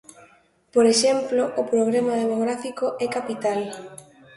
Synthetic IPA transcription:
poɾeʃemploʔʊpɾoɣɾemað̞emoɣɾafikoʔɛkapit̪al

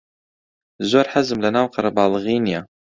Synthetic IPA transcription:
zoːɾħazɨmlɐnaːwqɑɾˤɑbaːlɨɣiːnija

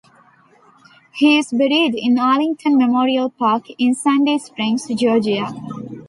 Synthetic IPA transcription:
hiːɪzbɪɾiɖɪ̰̃nalɪ̃ŋʈʰə̃nmemoːɾiəlpaːkʰɪ̃nsæ̃ɳɖeːspɾɪ̃ŋsd͡ʒɔːd͡ʒia

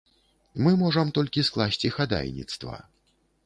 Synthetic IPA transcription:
mɨmɔʐɐmt̪ɔlʲkʲisklˠasʲt͡sʲixad̪a̰jnʲḭt̪st̪vɐ̰

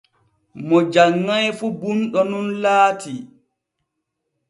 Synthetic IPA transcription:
mɔd͡ʒaŋːajfubunɗɔnunlaːtʰi

